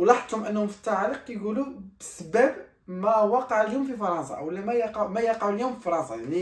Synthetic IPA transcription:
wlɑħd̪ˤhʊmʔənːhʊmfi̥t̪ːɑʕaləq̚jɡulubəsəbæb | mæwɑqɑʕljumfifɑɾˤɑnsɑ̰wəlːæmæjɑqɑʕmæjɑqɑʕuljumfifɑɾˤɑnsˤɑjaʕni

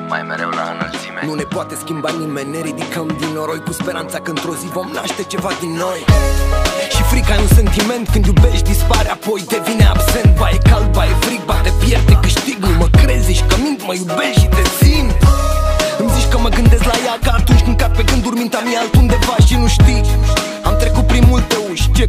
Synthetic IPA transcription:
a̰jḛ | nune̞poat̪e̞skʲimbanimenʲne̞ɾid̪ikəmd̪inoɾo̞jkuspe̞ɾant̪sakəɨnt̪ɾo̞zivo̞mnaʃt̪e̞t͡ʃe̞vad̪inːo̞j | ʃifɾikajunse̞nt̪ime̞nt̪kɨnd̪jube̞ʃt̪d̪ispaɾapo̞jd̪e̞vinea̰bse̞nt̪̚vajekalbajefɾiɡ̚bat̪epjerd̪ekɨʃt̪iɡnuməkɾeziʃkəmint̪məjube̞sʃit̪esint̪ | ɨmzit͡ʃʲkəməɡɨnd̪e̞sʲlajakaːt̪unt͡ʃʲkɨŋkat̪̚pe̞kɨnd̪urmint̪amiealt̪und̪e̞vaʃʃinuʃt̪i | amt̪ɾe̞kut̪̚pɾimːult̪euʃt͡ʃe

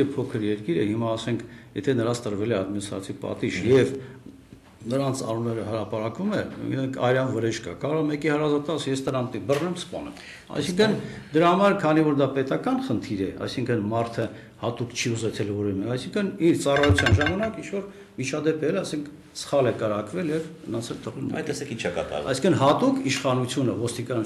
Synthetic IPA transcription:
pʰɔkʰəɾjɛɾkiɾə̰himɑːsɛŋkʰjɛt̪ʰɛnəɾɑst̪əɾvɛlɛɑd̪̚minist̪ɾɑ̰t͡sʰipɑ̰t̪iʃjɛv | nəɾɑnt͡sʰɑ̰nunɛɾəhəɾɑpɑɾɑkvumɛḭɾɛŋkʰɑ̰jɾɑnvəɾɛʃkɑ̰kɑɾɔmɛkihəɾɑzɑt̪ɑsjɛst̪əɾɑmt̪ibərnɛmspɑ̰nɛ̰m | ɑ̰jsiŋkʰənd̪əɾɑhɑmɑɾkʰɑnivɔɾd̪ɑpɛt̪ɑkɑnχənt̪ʰiɾɛɑ̰jsiŋkʰənmɑɾt̪ʰə | hɑt̪ukt͡ʃʰiuzɛt͡sʰɛlvɔɾɛmɛɑjsiŋkʰəniɾt͡sɑrɑjut͡sʰjɑnʒɑmɑnɑkint͡ʃʰvɔɾ | mit͡ʃʰɑd̪ɛpɛɛlɑsɛŋkʰ | sə̥χɑlɛkəɾɑkvɛljɛvhənɑt͡sʰɛlt̪əʁɛlmɛɛɛkit͡ʃʰɛkɑ̰t̪ɑ̰ɾvɑ̰jsĩ̥ŋkʰənɦɑt̪ukʰiʃχɑnut͡sʰjunəvɔst̪ikɑn

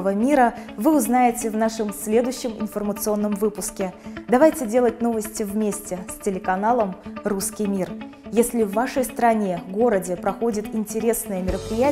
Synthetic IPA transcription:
əvəmʲiɾəvɨʊznajɪtʲɪvnaʂɨmsʲlʲe̞d̪ʊjɕːɪmɪ̰nfərmət̪sɨo̞nːəmvɨpʊskʲɪd̪ɐvajtʲɪdʲelˠət̚ʲno̞vəsʲtʲɪvmʲesʲtʲɪsʲtʲɪlʲɪkɐnalˠəmruskʲijmʲir | jesʲlʲɪvːaʂəjst̪ɾɐnʲe̞ɡoɾədʲɪpɾɐxo̞dʲɪt̪ɪnʲtʲɪɾʲe̞snəjəmʲɪɾəpɾʲɪjæ

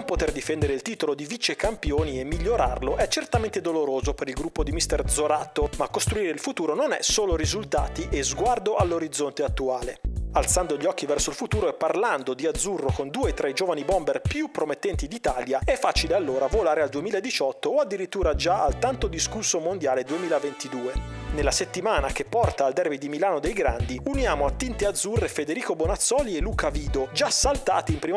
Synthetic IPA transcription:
ompot̪erd̪ifɛnd̪eɾeilt̪iːt̪olod̪ivit͡ʃːekampjoːniemːiʎːoɾarloʔɛt͡ʃːert̪ament̪ed̪oloɾoːzopeɾilɡɾupːod̪imist̪ɛrd̪zoɾat̪ːomakːost̪ɾuiːɾeilfut̪uːɾononɛ̰soːloɾizult̪aːt̪iʔezɡward̪oʔalːoɾid̪zːont̪eat̪ːuaːlealt̪sand̪oʎːɔkːivɛrsoilfut̪uːɾoepːarland̪od̪iad̪zːurːokond̪uːet̪ːɾeɛd͡ʒoːvanibɔmberpjupːɾomet̪ːɛnt̪id̪it̪aːljaɛfːaːt͡ʃilealːoːɾavolaːɾeald̪uemiːlaed̪ːit͡ʃɔt̪ːoːad̪ːiɾit̪ːuːɾad͡ʒaalt̪ant̪od̪iskursːomond̪jaːled̪uemiːlavent̪id̪uːenelːaset̪ːimaːnak̟epːɔrt̪aːld̪ɛrvid̪imilaːnod̪ejɡɾand̪iunjaːmoat̪ːint̪ead̪zːurːefed̪eɾiːkobonat̪sːɔːlielːuːkaviːd̪od͡ʒasːalt̪a̰ːt̪iimpɾim

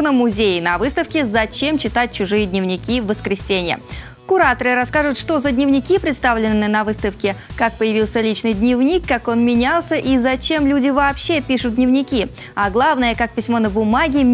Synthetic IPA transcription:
nəmʊzʲejɪnɐvɨst̪əfkʲɪzɐt͡ɕe̞mt͡ɕɪt̪at̚ʲt͡ɕʊʐɨjədʲnʲɪvnʲɪkʲivəskɾʲɪsʲenʲɪjə̰ | kʊɾat̪əɾɨɾɐskaʐʊt̪ʂt̪o̞zəd̪ʲnʲɪvnʲɪkʲipɾʲɪt̪st̪avlʲɪnːɨnɐvɨst̪əfkʲɪkak̚pəjɪvʲilˠsʲəlʲit͡ɕnɨjd̪ʲnʲɪvnʲikːako̞nmʲɪnʲalˠsʲəʔizɐt͡ɕe̞mlʲudʲɪvɐːpɕːepʲiʂʊt̪̚dʲnʲɪvnʲɪkʲi | aɡlˠavnəjəkak̚pʲɪsʲmo̞nəbʊmaɡʲɪ

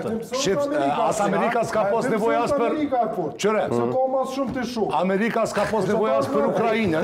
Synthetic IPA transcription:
ʃeasameɾikaskafost̪nevojaspeɾikafot͡ʃeɾaomasʃupt̪eʃoameɾikaskafost̪nevojat̪speɾukɾaine

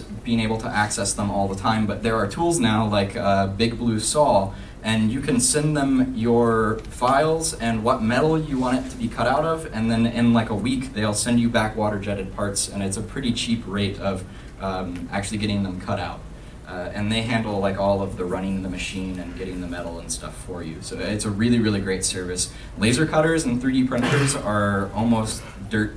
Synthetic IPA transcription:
b̥iɪ̃ŋeɪbl̩ˠtʰəʔæksɛsðə̃mɔlˠðətʰãɪ̃mbʌt̪̚ðə˞ːtʰulˠznaʊlaɪkʌbɪɡ̚blʉsɔlˠ | ʔɨ̃njɨkʰɨ̃nsɛ̃nðə̃mjə˞faɪlˠzɨ̃nwʌt̚mɛɾl̩ˠjɨwɑ̃ɾ̃ɨtʰəbikʰʌɾaʊɾʌvɨ̃nðɨ̃nɪ̃nlaɪkəwikðeɪlˠsɛ̃nd͡ʒɨbækwɔɾə˞d͡ʒɛɾɨd̚pʰɑɹtsɨ̰̃nɨtsəpʰɹ̥ɪɾit͡ʃʰipʰɹeɪɾʌv | ʔæ̰k̚t͡ʃʉl̩ˠiɡɛɾɪ̃ŋðə̃mkʰʌɾa̰ʊɾ̚ | ɨ̃nðeɪɦæ̃ndˡl̩ˠlaɪkɔlˠʌvðəɹʌñɪ̃ŋ̃nðəmɨʃĩnɨ̃nɡɛɾɪ̃ŋðɨmɛɾl̩ˠə̃nstʌ̰fə˞jʉ̰soʊɪtsəɹɪlˠiɹɪlˠiɡɹeɪtsɜ˞vɨs | leɪzə˞kʰʌɾə˞z̃n̩θɹiɾipʰɹ̥ɛ̃ɾɨɾə˞zə˞ɔlˠmoʊs | d̥ɜ˞t̚

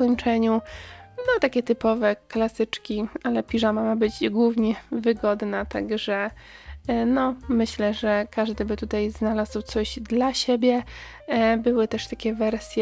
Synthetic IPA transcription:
ɔɲt͡ʂɛɲunɔt̪akʲɛt̪ɘpɔvɛklasɘt͡ʂkʲialɛpʲiʐamamabɘd͡ʑɡwuvɲɛvɘɡɔd̪nat̪aɡʐɛ | nɔmɘɕlɛʐɛkaʐd̪ɘbɘt̪ut̪ajznalazwt̪sɔʑd̪laɕebʲjɛ | bɘwɘt̪ɛʂt̪akʲɛvɛɾsʲjɛ

